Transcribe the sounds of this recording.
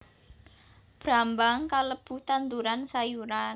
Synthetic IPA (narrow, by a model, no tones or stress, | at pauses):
b̥ɾambaŋkaləb̥ṳt̪and̪uɾansajuɾan